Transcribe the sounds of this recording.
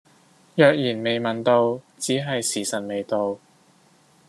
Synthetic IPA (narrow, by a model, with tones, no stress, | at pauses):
jœː˨˧k̚jiː˨˩nme˨˧jmɐ˨nt̪o˧wt͡siː˨˥ɦɐ˨jsiː˨˩sɐ˨˩t̚me˨jt̪o˧w